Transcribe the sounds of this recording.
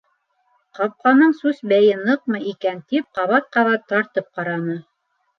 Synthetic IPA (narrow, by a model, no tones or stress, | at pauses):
qɑp̚qɑnɤɴsʉsbæjɘnɤq̚mɤikænt̪ip̚qɑβɑt̪̚qɑβɑt̪ːɑɾt̪ɤp̚qɑɾɑnɤ